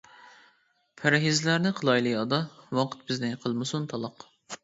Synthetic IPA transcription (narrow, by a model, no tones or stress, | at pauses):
pʰæɾɦizlæɾnɪqʰəlˠɑjlˠɨɑd̪ɑwɑqʰə̥t̪̚bɪznɪqʰəlˠmɨsunt̪ʰɑlˠɑq